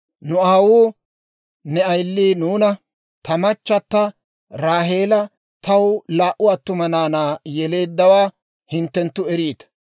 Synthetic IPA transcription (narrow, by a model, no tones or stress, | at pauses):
nʊaːwuː | nɛɐjlːiːnuːnɐ | t̪ɐmɐt͡ʃːɐt̪ːɐ | ɾaːɦe̞ːlɐ | t̪ɐwlaːʔʊɐt̪ːʊmɐnaːnaːjɛle̞ːd̪ːɐwaː | hɪnt̪ːɛnt̪ːʊɛɾiːt̪ɐ̥